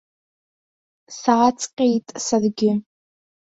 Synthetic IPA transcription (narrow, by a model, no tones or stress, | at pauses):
saːt͡sʼqʲʼejtʼsarɡʲɪ